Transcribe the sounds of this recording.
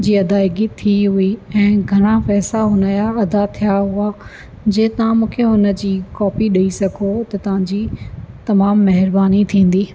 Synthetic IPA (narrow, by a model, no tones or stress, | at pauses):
d͡ʑiːɐd̪aːɪɡit̪ʰiɦʊiɛ̃ːɡʱɐɽ̃afɛːslaɦʊnəjaɐd̪at̪ʰijaɦʊa | d͡ʑeːt̪ɐʋãmũːkʰeɦʊnə̆d͡ʑiːkɔːpiɗɐisɐɡʱot̪ɐt̪ɐʋ̤ãɲd͡ʑiːt̪ɐmaːmːɐɦɪɾbaːnit̪ʰĩːn̆d̪iː